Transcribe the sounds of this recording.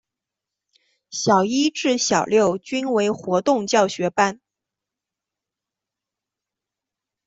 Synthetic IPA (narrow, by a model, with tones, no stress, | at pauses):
ɕjɑ˨˩ʊi˥ʈ͡ʂɻ̩˥˩ɕjɑ˨˩ʊljo˥˩ʊt͡ɕy˥nwe˧˥ɪxwɔ˧˥t̪ʊ˥˧ŋt͡ɕjɑ˥˩ʊɕɥɛ˧˥pa˥˩n